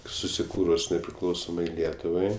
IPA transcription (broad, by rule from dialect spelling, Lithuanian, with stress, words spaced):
sʊsʲɪˈkuːrʊs nʲɛpʲrʲɪˈklˠɐʊsoːmɐɪ ˈlʲiɛtʊʋɐɪ